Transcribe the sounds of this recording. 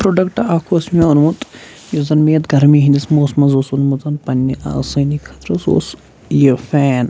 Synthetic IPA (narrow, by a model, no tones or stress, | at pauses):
pɾoɖɐkʈaːkʰuɐsmʲaunmut̪ | jozɐnmeːt̪ɡɐɾmiɦĩnd̪ismoːsmɐnzoːsunmuzɐnpɐnʲːiʔa̰ːsɐnikkʰɐt̪ɾɐso̰ːs | jefɛːn